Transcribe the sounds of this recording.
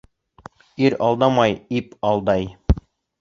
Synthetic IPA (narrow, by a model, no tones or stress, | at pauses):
iɾɑlˠd̪ɑmɑjipɑlˠd̪ɑj